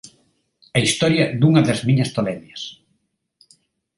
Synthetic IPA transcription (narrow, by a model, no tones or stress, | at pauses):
ɐist̪ɔɾjɐd̪uŋɐðɐzmiɲɐst̪olɛnɐs